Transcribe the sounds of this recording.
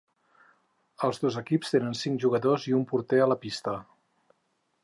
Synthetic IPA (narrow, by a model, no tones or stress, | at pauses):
əlˠzðozəkipst̪enənsiŋkʒuɣəðoziumpuɾt̪ɛələpist̪ə